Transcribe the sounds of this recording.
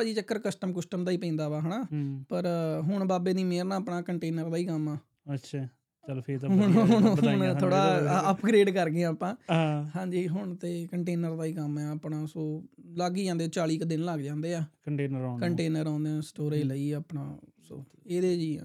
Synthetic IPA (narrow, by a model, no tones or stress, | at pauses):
aːd͡ʒiːt͡ʃəkːəɾkəsʈəmkəsʈəmd̪aːiːpə̃ːnd̪aːʋaːɦəɳaːpəɾɦʊɳbaːbeːniːmeːɾnaːəpɳaːkəɳʈeːnəɾd̪aːiːkəmɛː | ətːʃʰaː | t͡ʃəlpʰeːt̪ːɦʊɦʊnɦʊɳt̪ʰoːɽaːəpɡɾeːɖkəɾɡeaːpãːhãːɲd͡ʒiːɦʊɳt̪eːkəɳʈeːnəɾd̪aːiːkəmɛ̃ːəpɳaːsoːlaːɡiːd͡ʒãːnd̪eːt͡ʃaːɭiːkd̪ɪnlaɡd͡ʒãːnd̪eːaːkəɳʈeːnəɾːkəɳʈeːnəɾãːnd̪eɛ̃ːsʈoːɾeːləiːəːpɳa̰ːso̰ːeːd̪eːd͡ʒḭ̃ː